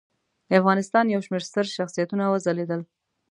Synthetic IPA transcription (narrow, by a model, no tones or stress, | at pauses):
d̪əafɣɑnɪst̪ɑnjawʃmeɾst̪əɾʃaxsijat̪unawəzaled̪əl